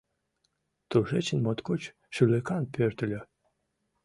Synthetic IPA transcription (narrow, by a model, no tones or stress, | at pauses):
t̪uʒet͡ɕənmot̪kot͡ɕ | ʃylekɑnpʲørt̪ə̆lʲø